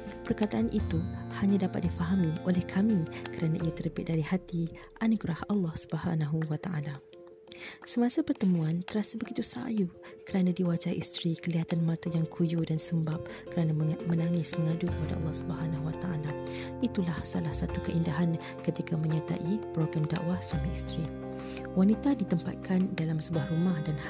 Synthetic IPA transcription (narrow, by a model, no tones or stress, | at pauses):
pərkat̪aʔanʔit̪uhaɲãdapat̪̚difaɦamiolɛhkʰamĩkəɾanãʔiat̪əɾəbɪ̰t̪ʔ̚daɾihat̪i | ʔanuɡɾahalːɑhsu̥bəɦa̰naɦuwat̪aʔa̰la | səmãsapərt̪əmũant̪əɾasabəɡit̪usa̰jukəɾanãdiwad͡ʒaiʔist̪ɾikəliɦat̪anmãt̪ajaŋkʰujudansəmbap̚kəɾanamənaŋɪsməŋadukəpada̰ʔɑ̰lːɑhsubəɦanaɦuwat̪aʔalait̪ulahsalahsat̪ukəʔindaɦan | kət̪ikamə̃ɲat̪a̰ʔipɾoɡɾamda̰ʔwahswamiist̪ɾi | wanit̪adit̪əmpa̰t̪̚kʰandalamsəbuahrumahdan